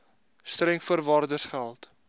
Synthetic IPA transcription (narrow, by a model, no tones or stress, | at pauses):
strɾɛŋfərvɑːrdərsχælˠt